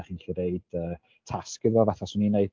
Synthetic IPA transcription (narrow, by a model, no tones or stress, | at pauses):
χiːnɬiɾeɨd̥əː | tʰaskɪðɔvaθasʊnineɨd